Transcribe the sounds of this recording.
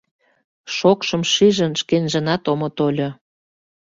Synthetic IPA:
ʃokʃə̆mʃiʒənʃkenʒə̆nɑt̪omot̪olʲo

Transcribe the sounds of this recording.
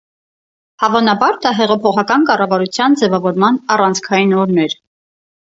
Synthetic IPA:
hɑvɑnɑbɑɾd̪ɑɦɛʁɑpʰɔχɑkɑnkɑrɑvɑɾut͡sʰjɑnd͡zɛvɑvɔɾmɑnɑrɑnt͡sʰkʰɑjinɔɾnɛɾ

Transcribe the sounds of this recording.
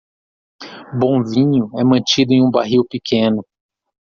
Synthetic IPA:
bõvĩɲʊɛmɐ̃t͡ʃid̪ʊẽj̃ũba̰ɦiwpikʰẽnʊ

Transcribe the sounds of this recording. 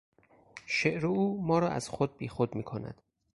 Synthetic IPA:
ʃeʔɾeuːmɒːɾɒːæ̰z̥xod̪̚biːxod̪miːkʰonæ̰d̪̥

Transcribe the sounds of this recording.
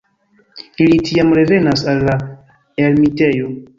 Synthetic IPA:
ilitiamɾe̞ve̞nasalːa | elmite̞jo̞

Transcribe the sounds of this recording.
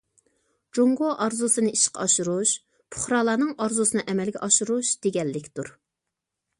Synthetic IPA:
d͡ʒoŋɡoʔɑɾzusɨnɨiʃqʰɑ̰ɑʃuɾuʃ | pʰʊ̥χɾɑːlˠɑːnɨŋɑɾzusɨnɨʔɛmɛlɡʲɛʔɑʃuɾuʃd̪̥eɡʲɛlːɪkʲt̪uɾ

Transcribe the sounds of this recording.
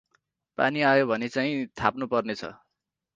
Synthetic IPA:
pa̰niajobʱʌnet͡saĩt̪ʰapnupʌrnet͡sʰʌ̰

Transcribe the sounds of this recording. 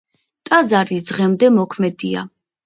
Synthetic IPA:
t̪ʼad̪zaɾid̪zʁɛmd̪ɛmɔkʰmɛd̪ia̰

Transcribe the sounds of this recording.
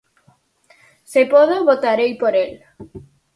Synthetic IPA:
sepoðoβot̪aɾejpoɾel

